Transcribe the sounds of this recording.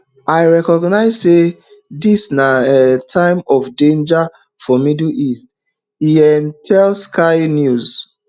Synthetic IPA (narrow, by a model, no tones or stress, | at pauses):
aɪɹɛkɔɡnaɪzse | disnatʰãɪ̃mɔfdẽnd͡ʒa | fɔmidl̩ist | iɛmtʰɛlskʰaɪnjuz